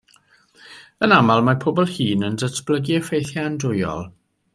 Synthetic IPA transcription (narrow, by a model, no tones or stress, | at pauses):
ənamalˠmapʰoːbɔlˠhiːnəndətʰb̥lˠəɡiəfejθjaandʊjɔ̰lˠ